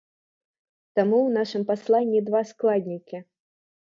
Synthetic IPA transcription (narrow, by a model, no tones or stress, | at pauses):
t̪amuwnaʂɨmpaslˠanʲːid̪vasklˠad̪ʲnʲikʲi